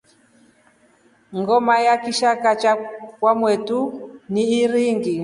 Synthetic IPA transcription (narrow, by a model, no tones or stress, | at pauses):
ŋɡɔmajakiʃakat͡ʃakwamwɛtuniːɾiŋɡi